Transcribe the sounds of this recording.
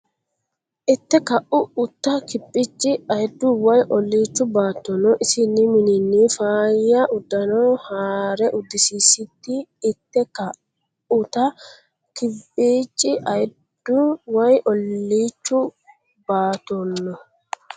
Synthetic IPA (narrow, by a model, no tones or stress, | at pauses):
ʔɪt̪ːɛkɐʔʊʊt̪ːɐkɪpʼːit͡ʃʼːɪɐjd̪ːʊwɐjʔɔlːiːt͡ʃːʊbaːt̪ːɔnːɔʔɪsɪnːɪmɪnɪnːiːfaːjːɐʔʊd̪ːɐnoːhaːɾɛʔʊd̪ːɪsiːsɪt̪ːiːt̪ːɛkɐ | ʊt̪ɐ | kɪpʼːiːt͡ʃʼːɪʔɐj | d̪̥ːʊwɐjʔɔlːiːt͡ʃːʊ | baːt̪ːɔnːɔ